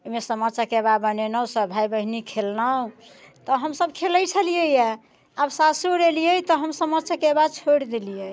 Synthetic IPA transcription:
omesəmət͡ʃakebabənenəsəbʱajbəɦnikʰelnaũ | t̪ɔɦəmsəb̚kʰeləjt͡ʃʰəlijəja | absasuɾelijəjt̪ɔɦəmsəmət͡ʃʰakebad̪̚t͡ʃʰoɽd̪elijə

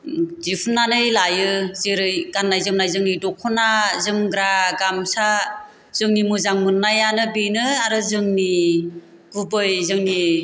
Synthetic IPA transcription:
zipʰɯnːanɯjlajɯziɾɯjɡ̥anːajzɯmnajzɯŋnidɔkʰɔnazɯmɡɾaɡamsa | z̥ɯŋnimɯzaŋmɯnːajanɯbinɯaɾɯzɯŋni | ɡ̥ubɯjzɯŋni

